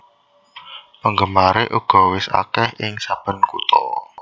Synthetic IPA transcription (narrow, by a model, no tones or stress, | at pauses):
pəŋɡəmaɾeʔuɡ̥ɔ̤wɪsa̰kɛhɪŋsab̥ə̤nkut̪ɔ̰